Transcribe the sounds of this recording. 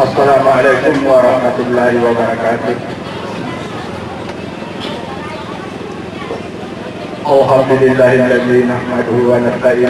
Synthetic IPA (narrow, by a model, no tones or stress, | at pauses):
ɐsːɐlaːmʕaleːkʊmwɐɾˤɑħmɐt̪ʊlːaːɦɪwɐbɐɾˤɑkaːt̪ʊh | ʔawɦamd̪ʊlɪlːaːɦɪlːɐðiːnaħmɐd̪ʊɦuwɐnɐst̪aʕiː